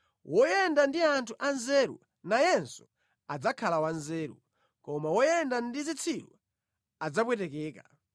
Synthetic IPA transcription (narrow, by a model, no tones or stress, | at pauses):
wʔɔjɛndandiantʰuʔanzɛɾṵ | najɛnsu̥ | ad͡zakʰalawanzɛːɾṵ | kɔmawɔjɛndandizit͡sʰiɾu | ad͡zap̬wɛtɛkɛːka